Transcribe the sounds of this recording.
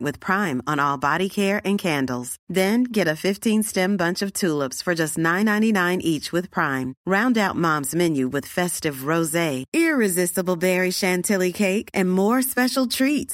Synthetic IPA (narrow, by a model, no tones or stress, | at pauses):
wɨð̥pʰɹ̥ãɪ̃mə̃nɔlˠbɑɾikʰɛɹʔɨ̃nkʰæ̃ndˡl̩ˠz̥ðɨ̃nɡɛɾɨfɪftʰĩnstɛ̃mbʌ̃nt͡ʃʌv̥tʰulˠəpsfə˞d͡ʒʌstⁿnãɪ̃nãɪ̃ninãɪ̃nʔit͡ʃwɨð̥pʰɹ̥ãɪ̃mɹãʊ̃ndaʊt̚mɑ̃mzmɛ̃njʉwɨð̥fɛstɨvɹoʊzeɪɪɹɨzɪstəbl̩ˠbɛɹiʃæ̃ntʰɪlˠikʰeɪkʔɨ̃nmɔɹspɛʃl̩ˠtʰɹ̥it